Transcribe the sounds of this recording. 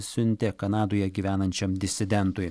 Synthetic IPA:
sʲʊnʲt̪ʲɪkɐnɑːd̪oːjɛɡʲiːʋʲæːnɐnʲt͡ʃʲɛmd̪ʲɪsʲɪd̪ʲɛnt̪ʊj

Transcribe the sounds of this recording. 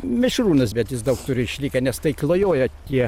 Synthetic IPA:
mʲɪʃruːnɐsbʲɛt̪jɪs̬d̪ɐʊkt̪ʊɾʲɪɪʃʲlʲiːkɐnʲɛst̪ɐɪklˠoːjoːjɛt̪ʲiɛ

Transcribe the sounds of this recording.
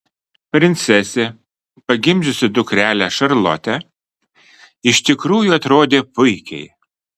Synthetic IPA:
pʲɾʲɪnʲt̪sʲɛsʲe | pɐɡʲɪmʲʒʲʊsʲɪd̪ʊkɾʲæːlʲæʃɐɾlˠɔ̰t̪ʲɛ | ɪʃt̪ʲɪkɾuːjʊɐt̪ɾoːd̪ʲeːpʊɪkʲɛɪ

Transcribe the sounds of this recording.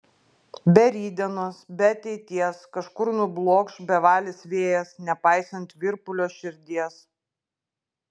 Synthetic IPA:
bʲɛɾʲiːd̪ʲɛnosbʲɛɐt̪ʲɛɪt̪ʲiɛskɐʃkʊɾnʊblˠoːkʃbʲɛʋɑːlʲɪsʋʲeːjɛsnʲɛpɑˑɪsɐnʲt̪ʲʋʲɪɾpʊlʲoːʃʲɪɾʲd̪ʲiɛs

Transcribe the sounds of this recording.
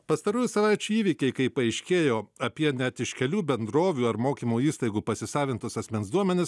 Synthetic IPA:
pɐst̪ɐɾuːjusɐʋɑˑɪt͡ʃʲuːiːʋʲikʲɛɪkɐɪpɐɐɪʃʲkʲeːjoːɐpʲiɛnʲɛt̪ɪʃkʲɛlʲuːbʲɛnd̪ɾoːʋʲuːɐɾmoːkʲiːmuːiːst̪ɐɪɡuːpɐsʲɪsɑːʋʲɪnt̪ʊsɐsʲmʲɛnsd̪uɔmʲɛnʲɪs

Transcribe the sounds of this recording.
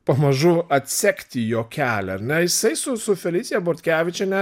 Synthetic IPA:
pɐmɐʒʊɐt̪ʲsʲækʲt̪ʲɪjoːkʲæːlʲɛ̰ɐɾnʲɛjɪsɐɪsʊsʊfʲɛlʲit̪sʲɪjɛboːɾʲt̪ʲkʲæːʋʲɪt͡ʃʲɛnʲɛ

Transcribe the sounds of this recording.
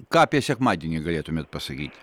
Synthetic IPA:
kapʲjasʲakmad̪ʲɪnʲɪɡɐlʲet̪ʊmʲet̪̚pɐsɐɡʲḭtʲ

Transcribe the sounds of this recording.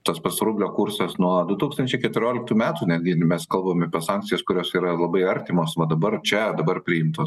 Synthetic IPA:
t̪ɐspɐsɾuːbʲlʲoːkuɾsɐsnuɔd̪ʊt̪uːkst̪ɐnʲt͡ʃʲɛɪkʲɛt̪ʲʊɾʲoːlʲɪkt̪uːmʲæːt̪uːnʲæd̪ʲɡʲɪmʲɛskɐlˠbɐmɐpʲɛsɑŋktt͡sʲɪjɛskʊɾʲoːsiːɾɐlˠɐbɐɪɐɾʲt̪ʲɪmoːsʋɐd̪ɐbɐrt͡ʃʲɛd̪ɐbɐrpʲɾʲɪɪmt̪oːs

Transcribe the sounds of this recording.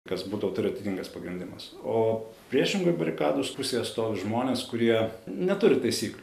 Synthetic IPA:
kɐsbuːd̪ɐʋot̪ʊɾʲɪɐt̪ʲɪːt̪ʲiŋɡɐspɐɡɾʲɪnʲd̪ʲɪmɐs | oːpʲɾʲiɛʃʲɪŋɡʊɪbɐɾʲɪkɑːd̪ospʊsʲeːjɛt̪st̪oːʋʲɪʒmoːnʲeːskʊɾʲiɛnʲɛt̪ʊɾʲɪt̪ɐɪsʲiːklʲʊ

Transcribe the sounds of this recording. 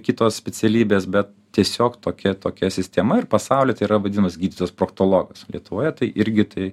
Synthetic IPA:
kʲɪt̪oːssʲpʲɛt͡s̪ʲɛlʲiːbʲeːsbʲɛt̪̚ | t̪ʲiɛsʲoːkt̪oːkʲɛt̪oːkʲɛsʲɪsʲt̪ʲɛmɐɪrpɐsɑʊlʲeːt̪ɐɪiɾɐʋɐd̪ʲinɐmɐsɡʲiːd̪ʲiːt̪ospɾoːkt̪oːlˠoːɡɐslʲiɛt̪ʊʋoːjɛt̪ɐɪʔɪɾʲɡʲɪt̪ɐɪ

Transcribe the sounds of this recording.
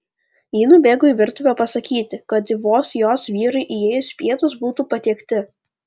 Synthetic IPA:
jiːnubʲeːɡoiˑʋʲɪɾt̪ʊʋʲɛpɐsɐkʲiːt̪ʲɪkɐt̪ʋoːsjoːsʋʲiːɾɐɪʔijeːjʊspʲiɛt̪ʊsbuːt̪uːpɐt̪ʲiɛkt̪ʲɪ

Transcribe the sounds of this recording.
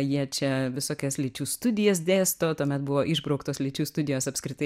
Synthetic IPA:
jiɛt͡ʃʲɛʋʲɪsoːkʲɛslʲiːt͡ʃʲuːst̪ʊd̪ʲɪjɛs̬d̪ʲeːst̪oːt̪uɔmʲɛt̪bʊʋoːʔɪʒbɾɐʊkt̪oːslʲiːt͡ʃʲuːst̪ʊd̪ʲɪjoːsɐpʲskɾʲɪt̪ɐɪ

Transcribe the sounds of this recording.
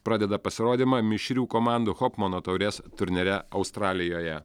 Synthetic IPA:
pɾɑːd̪ʲɛd̪ɐpɐsʲɪɾoːd̪ʲiːmɑːmʲɪʃʲɾʲuːkɔːmɑˑnd̪uxɔːpmɐnoːt̪ɐʊɾʲeːst̪ʊɾʲnʲɛɾʲɛɐʊst̪ɾɑːlʲɪjoːjɛ

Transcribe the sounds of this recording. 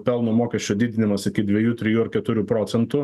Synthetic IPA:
pʲɛlˠnʊmoːkʲɛsʲt͡ʃʲoːd̪ʲiːd̪ʲɪnʲɪmɐsɪkʲɪd̪ʲʋʲɛjuːt̪ʲɾʲɪjuːɐɾkʲɛt̪ʊɾʲuːpɾoːt̪sʲɛnt̪ʊ

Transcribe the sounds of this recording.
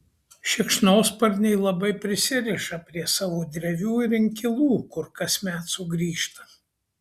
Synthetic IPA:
ʃʲɪkʃnoːspɐɾʲnʲɛɪlˠɐbɐɪpʲɾʲɪsʲɪɾʲɪʃɐpʲɾʲiɛsɑːʋoːd̪ʲɾʲɛʋʲuːɪɾɪŋʲkʲɪlˠuːkʊɾkɐsʲmʲæːt̪sʊɡɾʲiːʃt̪ɐ̥

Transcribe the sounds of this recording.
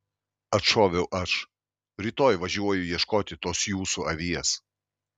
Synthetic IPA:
ɐt̪ʃoːʋʲɛʊʔɐʃ | ɾʲiːt̪oːjʋɐʒʲuɔjʊjiɛʃkoːt̪ʲɪt̪oːsjuːsuɐʋʲiɛs

